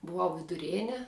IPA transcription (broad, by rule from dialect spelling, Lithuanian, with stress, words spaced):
bʊˈʋɐʊ ʋʲɪdʊˈrʲeːnʲɛ